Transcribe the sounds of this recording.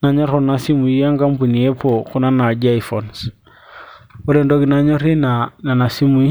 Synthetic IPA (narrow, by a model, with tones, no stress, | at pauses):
na˨ɲɔ˦ɾɔ˨na˨si˦mu˨i˦ja˦ŋka˦mpu˨ni˨ɛ˦pɔ˨ku˦na˦na˨d͡ʒa˦i˨fɔ˨ns | u˦ɾɛ˨ndɔ˦ki˨na˨ɲɔ˦ɾi˦nana˨na˨si˦mu˨i˦